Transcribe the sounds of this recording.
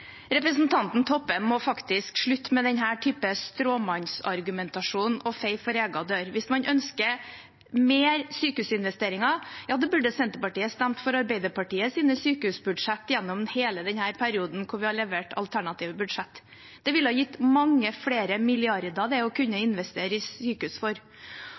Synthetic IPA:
ɾɛpɾəsn̩t̪ʰɑnt̪n̩t̪ʰɔpːəmːɔfɑkt̪ɪskʂɭʉt̪ːmɛd̪ɛnɦæːʈʰyːpəst̪ɾoːmɑnsɑɾɡʉmɛnt̪ɑʂuːnɔfɛɪfɔɾeːɡɑd̪øːɾʋɪsmɑnʔœnskə | meːɾsyːkəhʉːsɪnʋɛst̪eːɾɪŋɑjɑːd̪ɛbʉɖəsɛnt̪əɾpɑʈiːəst̪æmt̪fɔɾɑɾbæɪd̪əɾpʰɑʈiːəsiːnəsyːkəhʉsbʉd̪ʂɛt̪ːjɛnːɔmheːləd̪ɛɲhæːɾpʰæɾɪuːd̪n̩kʰʊɾʋɪhɑɭɛʋeːʈʰɑ̰lt̪ʰæɳɑt̪ʰiːʋəbʉd̪ʂɛt̪ː | d̪̥ɛʋɪləhɑːjɪt̪ːmɑŋːəfleːɾəmɪlɪɑɾd̪ɑd̪ɛɔkʰʉɲːəɪnʋɛst̪eːɾəɪsyːkəʉsfɔɾ

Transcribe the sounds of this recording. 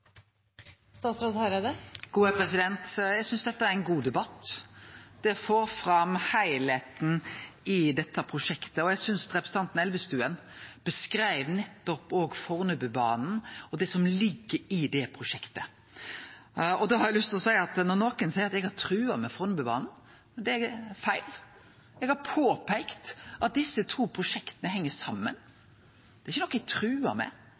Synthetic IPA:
st̪ɑːt̪sɾɑd̪hɑɾed̪əɡ̥uːəpʰɾɛsɪd̪ɛnt̪jæɪɡsʏnsd̪ɛt̪ːəæɾɛnɡuːd̪ɛbɑt̪ː | d̪̥ɛfoːɾfɾɑmhæɪleːt̪n̩ɪd̪ɛt̪ːəpʰɾʊʂɛkt̪əɔjæɡsʏnsɾɛpɾəsn̩ɑnt̪n̩ɛlʋəst̪ʉːən | b̥əskɾæɪʋnɛt̪ːɔpoːɡfɔʁnʉbəbɑ̰ːnn̩ɔd̪ɛsɔmlɪɡːəɾɪd̪ɛpʰɾʊʂɛkt̪ə | ɔd̪ɑːhɑɾjæɪlʉst̪ʰɪlɔsæɪɑt̪nɔɾnoːkənsæɪɾɑt̪ɛɡhɑɾt̪ʰɾʉːɑmɛfɔʁnʉbəbɑ̰ːnn̩ | d̪ɛæfæɪl | ɛɡhɑpʰoːpʰæɪkt̪ʔɑt̪̚d̪ɪsːət̪ʰuːpʰɾʊʂɛkt̪ənəhɛŋːəsɑmːə̰n | d̪̥ɛɾɪçənɔkːɛɡ̚t̪ʰɾʉːɑ̰mɛ̰

